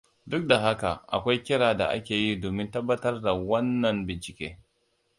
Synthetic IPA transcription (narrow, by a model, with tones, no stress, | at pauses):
dʊ˦k̚da˨ɦa˦ka̰˨ʔa̰˨kʷa˦jkʲɪ˦ɾaː˨da̰˨ʔa̰˦kʲeː˨ji˦doː˨mɪ˦ntɐ˦bːɐ˦tɐ˦rda˨wɐ˦nːɐ˨nbɪ˨nt͡ʃɪ˨kʲeː˦